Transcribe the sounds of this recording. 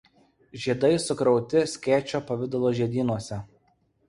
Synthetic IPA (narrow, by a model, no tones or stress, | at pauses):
ʒʲiɛd̪ɐɪsʊkɾɒʊt̪ʲɪsʲkʲɛːt͡ʃʲoːpɐʋʲɪd̪ɐlˠoːʒʲɛd̪ʲiːnuɔsʲɛ